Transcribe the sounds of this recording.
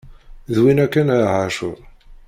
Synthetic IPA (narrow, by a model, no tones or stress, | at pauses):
ðwinækːænʕaʃoðˤ